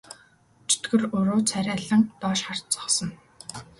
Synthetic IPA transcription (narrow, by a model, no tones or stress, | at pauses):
t͡ɕʰe̥t̪ɡɘ̆rɵɾoːt͡sʰæɾʲæɮə̆ŋt̪ɔːʃχar̥t̪t͡sɔ̥χsɞ̆n